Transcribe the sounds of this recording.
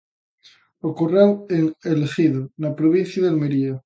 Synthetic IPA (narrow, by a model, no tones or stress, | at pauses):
okoraweŋelexiðonapɾoβinθjaðealmeɾia